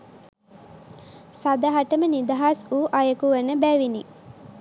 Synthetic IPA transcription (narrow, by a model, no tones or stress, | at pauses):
sad̪aɦaʈəmənid̪aɦasuːʔajəkuʋənəbæːʋini